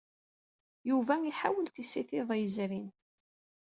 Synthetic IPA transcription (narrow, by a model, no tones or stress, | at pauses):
juvæiħa̰wəlt̪isiθɪðˤjzɾin